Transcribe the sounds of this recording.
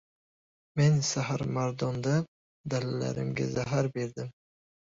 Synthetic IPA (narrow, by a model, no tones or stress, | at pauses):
mensaɦaɾmaɾd̪ɒnd̪a | d̪alala̰ɾɪ̰mɡʲa̰zaɦaɾbe̞ɾd̪ɪm